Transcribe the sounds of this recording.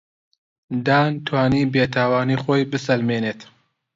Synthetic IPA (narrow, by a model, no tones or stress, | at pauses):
d̪aːnt̪ʰwaːniːbeːt̪ʰaːwaːniːxoːjbɨsɐlmeːneːt̪